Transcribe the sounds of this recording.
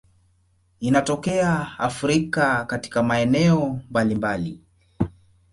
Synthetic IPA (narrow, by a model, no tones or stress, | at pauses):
inatɔkɛaafɾikakati̥kamaɛnɛɔmbalimbali